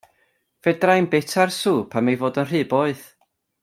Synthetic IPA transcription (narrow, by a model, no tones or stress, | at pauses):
vɛdrajnbɛtʰarsuːpʰamejvoːdənr̥ɨːbɔɨð